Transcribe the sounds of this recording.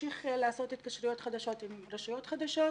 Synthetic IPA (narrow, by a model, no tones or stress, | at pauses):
iχleaso̞tit̪kaʃɾujo̞t̪χad̪aʃo̞t̪imɾeʃujo̞t̪χad̪aʃo̞